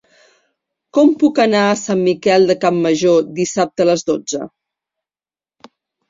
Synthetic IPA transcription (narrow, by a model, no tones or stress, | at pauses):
kɔmpukənaəsamːikɛlˠd̪əkamːəʒod̪isap̚t̪ələzðod͡zə̰